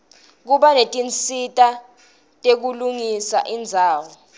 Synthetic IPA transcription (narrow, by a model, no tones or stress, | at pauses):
k̬uɓanetʼint͡sʼitʼa | tʼek̬uluŋisa̰ʔind͡zʱaːwɔ